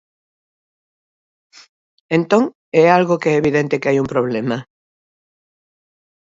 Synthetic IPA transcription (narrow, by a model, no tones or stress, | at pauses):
ẽnt̪õŋ | ɛalɣokeɛeːβiðent̪ɪkeajumpɾoβlɛmɐ